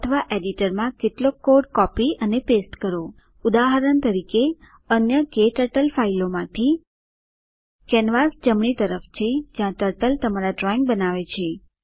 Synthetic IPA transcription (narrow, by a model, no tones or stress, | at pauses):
ət̪ʰəʋaʔeɖiʈəɾmãkeʈlokoɾɖkɔpiənepesʈkəɾo | ud̪aɦəɾəɳt̪əɾike | ənjəkeʈəʈəlfailomãt̪ʰi | kɛnʋasd͡ʒəmɳit̪əɾəft͡ʃʰed͡ʒjãʈəɾʈəlt̪əmaɾaɖɾɔiŋɡ̚bənaʋet͡ʃʰe